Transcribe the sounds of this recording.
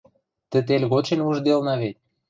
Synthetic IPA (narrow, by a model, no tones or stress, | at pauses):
t̪ə̆t̪elʲɣot̪ʃenuʒd̪elnɑβet̪̚ʲ